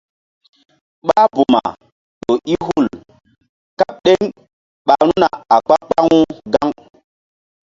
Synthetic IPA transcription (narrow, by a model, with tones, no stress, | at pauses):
ɓa˦bu˨ma̰˨ | ɗo˨ʔi˦ɦu˦˨l | ka˦p̚ɗe˦ŋ | ɓa˨ɾ̃u˦na˨a˨k͡pa˦k͡pa˦ŋu˦ɡa˦ŋ